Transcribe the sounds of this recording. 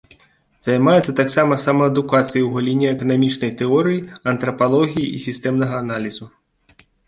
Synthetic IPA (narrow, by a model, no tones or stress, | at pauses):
zajmajɛt̪sːɐt̪aksamɐsamɐɐd̪ukat̪sɨjiwɣalʲinʲɛɛkɐnamʲit͡ʂnɐjt̪ɛɔɾɨjiɐnt̪ɾɐpalˠɔɣʲijiʔisʲist̪ɛmnɐɣɐːnalʲizu